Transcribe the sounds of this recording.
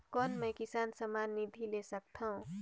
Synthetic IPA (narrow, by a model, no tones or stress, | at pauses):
kɔːnmɛ̃kɪsaːnsəmaːnːid̪ʱilesək̚t̪ʰaũ